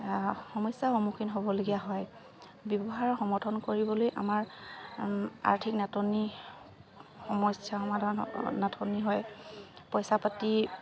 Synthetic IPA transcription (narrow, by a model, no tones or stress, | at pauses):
xɔmɔjsːaxɔmukʰinɦobɔloɡijaɦɔj | bɔbɔɦaɹɔxɔmɔtʰɔnkoɹibɔlojʔa̰maɹ | a̰ɹtʰiknatɔni | xɔmɔsjaxɔmadʱan̰natʰɔniɦɔjpɔjsapati